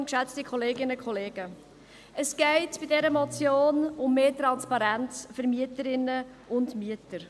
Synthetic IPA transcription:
nkʃæt͡stikʰχɔleːɡɪnəkʰɔleːɡ̥ə | əsɡ̥ɛɪtb̥ɪdɛɾəmɔt͡sjoːnʊmːeːtɾɑnspɑɾænt͡sfəɾmiətəɾɪnə | ʊndmiətəɾ

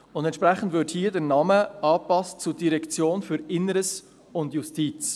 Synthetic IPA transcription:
ʊndɛntt͡ʃʃpɾɛχn̩dvɪthiːədɛɾnɑməɑːpɑstt͡sudiɾɛkt͡sjoːnfyɾɪnəɾəs | ʊndjustiːt͡s

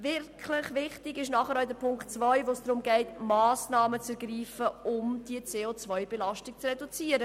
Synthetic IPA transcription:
vɪɾkʰlɪχʋɪχtɪɡɪʃ̬nɑχəɾɔʏdəpʰʊŋktt͡svœʏvoːsd̥ɾʊmɡɛɪtmɑːsnɑːmət͡sɛɾɡriːfəʊmd̥iət͡seːot͡svœʏbelɑʃtɪk̚t͡srɛdut͡siːəɾə

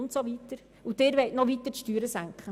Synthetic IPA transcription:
ntsoʋit̪əɾ | udɪːɾʋɛɪtnɔʋitəʃtyːɾəsæŋkχə

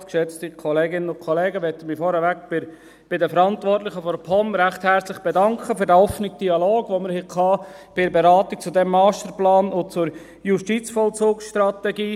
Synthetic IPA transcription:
kʃɛt͡stikʰɔleːɡɪnənʊnkʰɔleːɡəʋɛt̪ːəmifɔɾəʋækb̥ɪ | b̥ɪdəfəɾɑntvʋɔrtlɪχəfɔɾpʰɔmɾæχthɛɾt͡slɪχb̥ɛdɑŋkʰχəfyɾdæɔfnɪk̚d̥iɑloːɡ̥ʋoməɾhɛkʰɑːb̥ɪɾbeɾɑːt̪ik̚t͡sudɛmːɑːstəɾplɑːnʊt͡sʊɾ | juʃtit͡sfɔlt͡suːksʃtɾɑt̪ɛɡiː

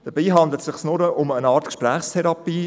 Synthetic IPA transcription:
d̥əbiːɦɑnd̪lətsɪχsnʊɾəʔʊmənɑːɾtkʃpræːχstʰɛɾɑpiː

